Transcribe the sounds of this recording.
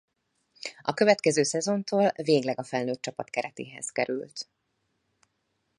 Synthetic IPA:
ɒkøvɛt̪kɛzøːsɛzo̞nt̪oːlveːɡlɛɡɒfɛlnøːt̪̚t͡ʃɒpɒt̪kɛɾɛt̪ḛːɦɛ̰z̥kɛɾy̰lt̪

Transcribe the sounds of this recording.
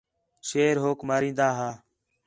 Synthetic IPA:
ʃeːɾɦoːkmaːɾĩːnd̪aːɦaː

